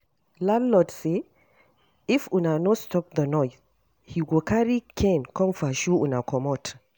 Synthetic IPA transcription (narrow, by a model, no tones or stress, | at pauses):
ladlɔdse | ifunanostɔp̚ðənɔjs | hiwilkʰaɹikʰɛ̃nkʰɔ̃mfaʃuunakʰɔmɔt